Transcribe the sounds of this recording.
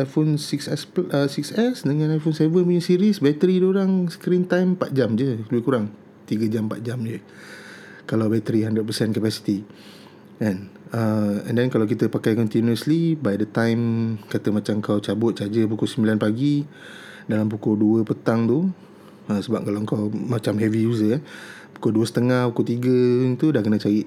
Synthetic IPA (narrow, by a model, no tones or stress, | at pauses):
ajfonsiksɛsəsiksɛsdəŋãnajfonsɛvənpuɲasiɾisbɛt̪əɾiduoɾaŋsə̥kɾint̪ajmpa̰t̪̚d͡ʒamd͡ʒələbɪhkuɾaŋ | t̪iɡəd͡ʒampa̰t̪̚d͡ʒamd͡ʒə | kalawbɛt̪əɾiɦandɾəd̚pəsɛnkəpasi̥t̪i | ɛ̃nəɛ̰̃ndɛnkalawk̬it̪əpakajkɔnt̪inuəslibajdət̪ãjmkat̪əmat͡ʃamŋkawt͡ʃabʊt̪̚t͡ʃad͡ʒəp̬ukusəmbilanpaɡi | dalamp̬ukoduəpət̪aŋt̪u | əsəbap̚kalawəŋkawmat͡ʃamɦɛvijuzəpu̥koduəsə̥t̪əŋahpukut̪iɡəŋt̪udahkənə̃t͡ʃaiʔ